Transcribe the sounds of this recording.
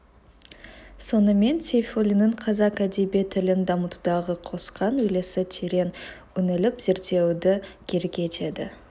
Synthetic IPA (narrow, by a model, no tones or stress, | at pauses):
so̞nəme̞nsʰʲejfolʲinəɴqʰɑzɑkad̪ibet̪ʰɪlɪnd̪ɑmət̪ud̪ɑʁəqʰo̞sqɑnɵle̞sɪt̪ʰeɾe̞n | ʏnɪlɪpz̥e̞ɾt̪e̞wd̪ɪkʲʰe̞ɾɡʲet̪ʰe̞d̪ɪ̰